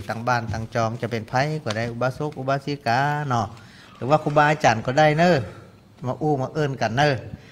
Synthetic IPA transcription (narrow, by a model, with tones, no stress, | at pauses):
t̪a˧˩ŋbaː˧˩˨nt̪aː˧˩ŋt͡ɕɔː˧˩ŋt͡ɕa˧˩pe˨npʰa˧˥jkɔː˧˩da˧˩jʔu˧baː˧su˧˦k̚ʔu˧baː˧˥si˧˦kaː˨˧˦nɔ˧˩ | lɯː˨˦waː˧kʰuː˧baː˧ʔaː˧t͡ɕaː˨˩nkɔː˧˩˦da˧˥˨jnəː˧˨ | maː˧ʔuː˧˩˨maː˧˦ʔɤː˧˩˨nka˨nːɤː˧˨